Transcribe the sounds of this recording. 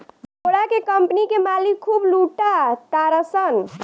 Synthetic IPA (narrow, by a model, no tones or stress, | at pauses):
bʱoɽakekəmpnikemalikʰːubluʈat̪aɾəsən